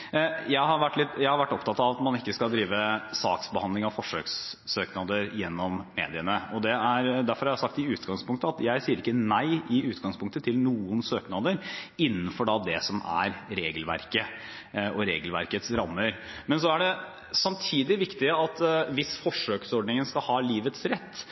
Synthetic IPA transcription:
jæɪɦɑɾʋæʈːlɪt̪jæɪhɑɾʋæʈːɔpt̪ɑt̪ɑʋɑt̪mɑnɪkːəskɑld̪ɾiːʋəsɑ̰ːksbəhɑnd̪lɪŋɑʋfɔʂø̰ksːøːknɑd̪əɾjɛnːɔmːḛːd̪ɪənəɔd̪ɛæɾd̪æɾfɔɾhɑɾjæsɑk̚t̪ɪʉːt̪ɡɑŋspʊŋkt̪əɑt̪jæɪsiːəɾɪkːənæɪɪʉːt̪ɡɑŋspʰʊŋkt̪ət̪ʰɪlnuːənsøːknɑd̪əɾɪnːənfɔɖɑd̪ɛsɔmæ̰ɾɾeːɡəlʋæ̰ɾkə | ɔɾeːɡəlʋæ̰ɾkət̪sɾɑmːəɾ | mɛnsɔæɖɛ | sɑmt̪ʰiːd̪ɪʋɪkt̪ɪəɑt̪ʋɪsfɔʂøːksɔɖɳɪŋənskɑlhɑːliːʋət̪sɾɛt̪ː

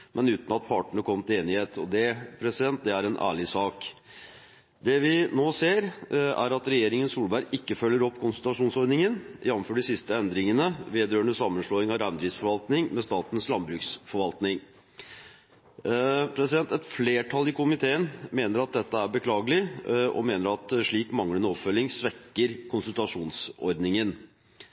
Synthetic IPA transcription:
mʔɛnʉːt̪n̩ɑt̪̚pʰɑʈəɳəkʰɔmt̪ʰɪeːnɪheːt̪ʰɔ̰d̪ɛpʰɾɛsɪd̪ɛnt̪̚d̪ɛæɾɛnʔæ̰ːɭɪsɑːk | d̪ɛʋɪnoːseːɾæ̰ɾɑt̪ɾɛjeːɾɪŋənsuːlbæɾɡɪkːəfœlːəɾɔpːkʰʊnst̪ɾɑʂuːnsɔɾɖ̪nɪŋənjɛnːmføːɖɪsɪst̪əɛnd̪ɾɪŋənəʋeːd̪ɾøːəɳəsɑmːənʂloːɪŋɑɾænd̪ɾɪsfɔɾʋɑlt̪nɪŋmɛst̪ɑːt̪ənslɑmbɾʉːksfɔɾʋɑlt̪nɪŋ | pʰɾɛsɪd̪ɛnt̪ɛt̪fleːʈʰɑlːɪkʊmɪt̪ʰeːənmeːnəɾɑt̪̚d̪ɛt̪ːəæɾbəkʰlɑːɡəlɪʔɔ̰meːnəɾɑt̪ʂɭiːkmɑŋlənəɔpfœlːɪŋsʋɛkːəɾkʰʊnsʉlt̪ɑʂuːnsɔ̰ɾd̪nɪŋən

